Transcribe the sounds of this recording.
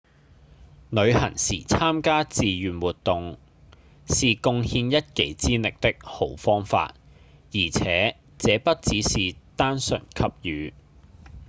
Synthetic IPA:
nɵ˨˧ɥhɐ˨˩ŋsḭː˨˩t͡sʰaː˥mkaː˥t͡siː˨jyː˨˩nwuː˨t̚t̪ʊ˨ŋ | siː˨kʊ˧ŋhiː˧njɐ˥t̚ke˨˥˩jt͡siː˥lɪ˨k̚t̪ɪ˥k̚ho˨˥wfɔː˥ŋfa̰ː˧t̚ | jiː˨˩t͡sʰɛ̰ː˨˥ | t͡sɛː˨˥pɐ˥t̚t͡siː˨˥siː˨t̪aː˥nsɵ˨˩nkʰɐ˧˥p̚jyː˨˧

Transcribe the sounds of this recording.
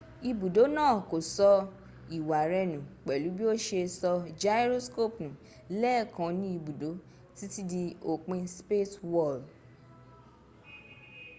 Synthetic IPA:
i˧bu˨do˨˦nãː˦˨ko˨sɔ˧ | i˨wa˨ɾɛ˧nũ˨k͡pɛ˨lu˨˦bi˦o˦ʃe˧sɔ˧d͡ʒa˧˦ɾo˦sko˦˨pnũ˨ | lɛ˦˨kã˧nĩ˦i˧bu˨do˨˦ | ti˦ti˦di˧o˨k͡pẽ˧spe˦˨twɔ˦˨l

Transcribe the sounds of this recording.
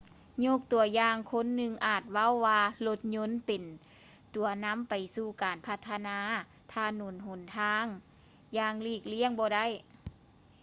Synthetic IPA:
ɲoː˧˥˩k̚t̪u˨˩ɐjaː˧ŋkʰo˧˥˨nːɯ˧ŋʔaː˨˩t̪̚wa˧˥˨wːaː˧lo˧˥t̪̚ɲo˧˥˨npe˨˩n | t̪u˨˩ɐna˧˥˨mpa˨jsuː˧˩kaː˨˩npʰa˧t̪ʰːa˧naː˧˥ | t̪ʰaː˧nuː˨˩nɦo˨˩˦nt̪ʰaː˧˥ŋ | jaː˧˩ŋliː˧˩k̚li˧˥əŋbɔː˧da˥˨j

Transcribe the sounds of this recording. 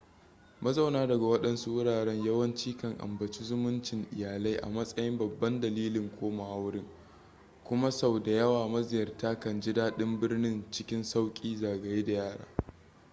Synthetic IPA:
mɐ˦za˨wnaː˦dɐ˨ɡa˨wɐ˦ɗɐ˦nsu˦wʊ˦ɽaː˨ɽɛ˦ɲjɐ˦wɐ˦nt͡ʃiː˦kɐ˦ŋʔa̰˨mbɐ˨t͡ʃi˦zʊ˦mʊ˦nt͡ʃɪ˨ŋʔɪ̰˨jaː˨la˦jʔa̰˨mɐ˦sʼɐ˦jɪ˦mbɐ˨bːɐ˦ndɐ˨liː˦lɪ˨ŋkʷʰoː˦ma˨ha˦wɽɪ˦ŋ | kʷʊ˦ma˦sa˨wda˨jɐ˦waː˨mɐ˦zɪ˨jɐ˨rtaː˦kɐ˨nd͡ʒɪ˦daː˦ɗɪ˦mbɪ˦rnɪ˦nt͡ʃɪ˦kʲɪ˦nsa˦wkʲʼiː˦zaː˨ɡa˦jda˨jaː˦˨ɽa̰ː˦

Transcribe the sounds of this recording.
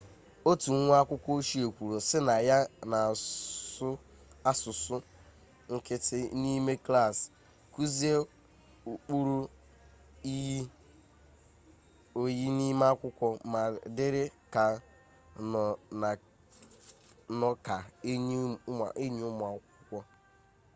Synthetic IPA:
o˦tu˨˦ŋʷ˦a˦kʷʊ˦kʷɔ˦o˦ʃi˦o˨kʷu˨ɾo˨sɪ˦na˨ja˦na˨sʊ˦ | a˦sʊ˨sʊ˦ | ŋ̩˦kɪ˦tɪ˦ni˦me˦kla˦˨s | ku˦zi˦e˦ | u˨k͡pu˦ɾu˦ | i˦ | o˨ji˦ni˦m˦a˦kʷʊ˦kʷɔ˦ma˨dɪ˦ɾɪ˦ka˨ | na˨ | nɔ˦ka˨˦˨ | ʔe˦ɲ˦ʊ˦mʊ˨a˨kʷʊ˦kʷɔ˦

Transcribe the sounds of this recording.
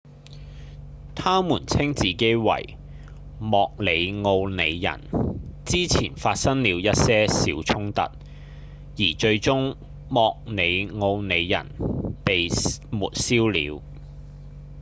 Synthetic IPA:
t̪ʰaː˥muː˨˩nt͡sʰɪ˥ŋt͡siː˨ke˥jwɐ̰˨˩j | mɔː˧k̚le˨˧jŋo˧wne˨˧jːɐ̰˨˩nt͡siː˥t͡sʰḭː˨˩nfaː˧t̚sɐ˥ŋliː˨˧wjɐ˥t̚sɛː˥siː˨˧wt͡sʰʊ˥ŋt̪ɐ̰˨t̚ | jiː˨˩t͡ʃɵ˧ɥt͡sʊ˥ŋ | mɔː˧k̚ne˨˧jŋo˧wne˨˧jːɐ̰˨˩npe˨jmṵː˨˩t̚siː˥wlḭː˨˧w

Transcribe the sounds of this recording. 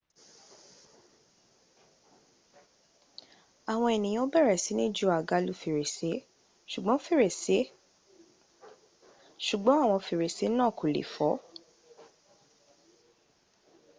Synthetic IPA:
a˨w̃ɔ̃˧e˨nĩ˨j̃bɛ˦˨ɾɛ˨si˨˦nĩ˦˨d͡ʒu˧˦a˨ɡa˨˦lu˦fi˧ɾe˨se˨˦ | ʃu˨ɡ͡bɔ̃˨˦fi˦˨ɾe˨se˨˦ | ʃu˨ɡ͡bɔ̃˨˦a˦˨w̃ɔ̃˧fi˧˨ɾe˨se˨˦nãː˦˨ko˨lḛ˨fɔ˨˦

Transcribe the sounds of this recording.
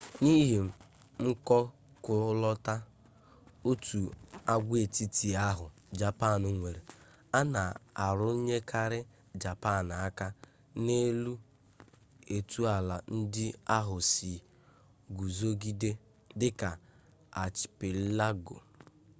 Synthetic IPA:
ni˦ɦe˨m̩˦ | m̩˦kɔ˦ | kʊ˦lɔ˦ta˦ | o˦tu˨a˦ɡʷe˨ti˦ti˨a˦ɦʊ˨ | d͡ʒa˨pa˦˨nʊ˨ŋʷe˨ɾe˨ | a˦na˨a˨ɾʊ˦ɲe˦kʰa˦ɾɪ˦ | d͡ʒa˨pa˦˨n˨a˦ka˦ | ne˦lu˦ | e˨tu˦a˨la˨n̩˦dɪ˦a˦ɦʊ˨si˨ | ɡu˨zo˦ɡi˦de˦ | dɪ˦ka˨ | a˨t͡ʃɪ̥˨pɪ˨˦la˦ɡo̰˨

